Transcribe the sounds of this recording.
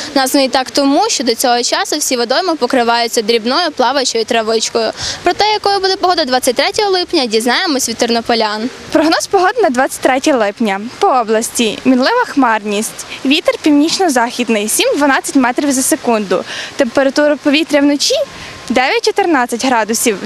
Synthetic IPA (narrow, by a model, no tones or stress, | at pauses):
nɑsnʊjt̪ɑkt̪ɔmuʃt͡ʃɔd̪ɔt͡sʲɔɦɔt͡ʃɑsʊwsʲiʋɔd̪ɔjmɔpɔkɾɪʋɑjʊt͡sʲːɐd̪ɾʲibnɔjʊplˠɑʋɐt͡ʃɔjit̪ɾɐʋɪt͡ʃkɔjʊpɾɔt̪ɛjɐkɔjʊbud̪ɛpɔɦɔd̪ɐd̪ʋɑt͡sʲːɐtʲt̪ɾɛtʲɔɦɔlˠɪpnʲɐdʲiznɑjemɔsʲʋʲit̪ɪrnɔpɔlʲan | pɾɔɦnɔspɔɦɔd̪nɐd̪ʋɑt͡sʲɐ̥t̚ʲt̪ɾɛtʲɐɐlˠɪpnʲɐpɔɔblˠɐsʲtʲimʲinlˠɪʋɐxmɑrnʲisʲtʲʋʲit̪erpʲiwnʲit͡ʃnɔzɑxʲid̪nɪjsʲimd̪ʋɐnɑt͡sʲɐtʲmɛt̪ɾʲiwzɐsekund̪ʊ̰t̪empeɾɐt̪uɾɐpɔʋʲit̪ɾʲɐwnɔt͡ʃʲi | d̪ɛʋʲjɐt̚ʲt͡ʃɔt̪ernɑt͡sʲːɐtʲɦɾɑd̪ʊsʲiw